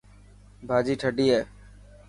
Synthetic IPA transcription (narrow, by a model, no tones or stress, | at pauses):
bʱaːd͡ʒiːʈʰəɖiːɦeː